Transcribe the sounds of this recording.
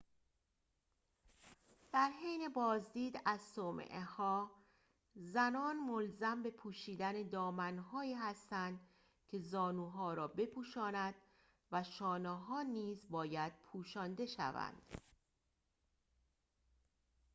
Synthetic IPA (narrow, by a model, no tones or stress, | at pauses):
d̪̥æɾɦejne̞bɒːzd̪iːd̪æzsomḛʔehɒː | zænɒːnmolzæmbe̞pʰuːʃiːd̪æned̪ɒːmænɦɒːiːɦæst̪ænd̪ | cʲʰe̞zɒːnuːɦɒːɾɒːbe̞pʰuːʃɒːnæd̪̥ | væʃɒːneɦɒːniːzbɒːjæd̪̥̚pʰuːʃɒːnd̪e̞ʃæ̰væ̰nd̪̥